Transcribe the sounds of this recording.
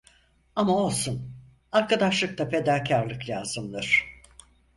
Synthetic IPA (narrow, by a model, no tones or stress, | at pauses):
amao̞lˠsun | aɾkad̪aʃlˠɯk̚t̪ape̞d̪acʰaɾlˠɯklʲaːz̥ɯmlˠɯɾ̝̥